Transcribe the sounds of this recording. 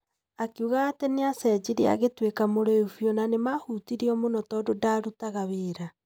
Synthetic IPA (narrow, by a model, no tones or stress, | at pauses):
akiuɣaːtɛneasɛd͡ʒiɾea̰ɣetwekamoɾoefjɔnanemahutiɾiɔmonɔtɔːdodaɾutaɣaβeːɾa